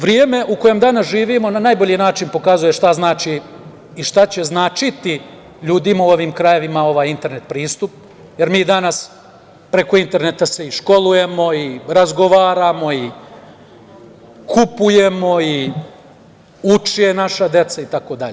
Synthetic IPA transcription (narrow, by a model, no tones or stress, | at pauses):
ʋɾjeːme̞ʔukojemd̪anasʒiːʋiːmo̞nanajboʎinaːt͡ʃinpo̞kazuje̞ʃt̪aznaːt͡ʃiː | ʃt̪at͡ɕe̞znaːt͡ʃit̪i | ʎuːd̪imauo̞ʋiːmkɾaje̞ʋimao̞ʋaːjint̪e̞ɾne̞t̪̚pɾiːst̪up̚ | je̞ɾmiːd̪anas | pɾe̞ko̞int̪e̞ɾne̞t̪ase̞iʃko̞luje̞mo̞iɾazɡo̞ʋaːɾamo̞i | kʰupuje̞mo̞i | ut͡ʂije̞naʃad̪e̞t̪sait̪ako̞d̪aʎe